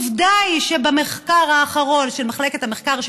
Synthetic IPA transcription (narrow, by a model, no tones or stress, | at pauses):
vdajʃebameχkaʁaːχaʁo̞nʃelmaχleket̪ameχkaʁʃ